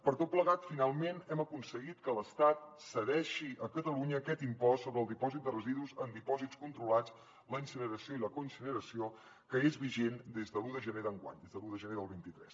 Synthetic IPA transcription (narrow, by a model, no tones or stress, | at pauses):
pəɾt̪ot̪̚pləɣat̪finalˠmenɛməkunsəɣit̪kələst̪at̪̚səðɛʃiʔəkət̪əluɲəːkɛt̪impɔsːoβɾəːlˠd̪ipɔzit̪̚d̪ərəziðuzənd̪ipɔzitskunt̪ɾulat͡s | ləinsənəɾəsioiləkunsənəɾəsio | kəezβiʒend̪ezðəluðəʒəneðəŋɡwa̰ɲd̪ezðəluðəʒəneðəlˠβint̪it̪ɾɛs